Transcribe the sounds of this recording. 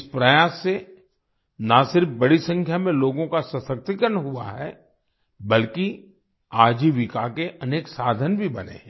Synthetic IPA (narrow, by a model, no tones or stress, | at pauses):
ɪspɾəjaːsːe | nasɪɾfbɐɽisə̃ŋkʰjamẽloːɡõkasɐsək̚t̪ikəɾənɦua̰ɦɛ̰ː | bɐlki | aːd͡ʒiʋɪkakeʔɐneːksaːd̪ʱənbʱibɐ̰nḛɦɛ̃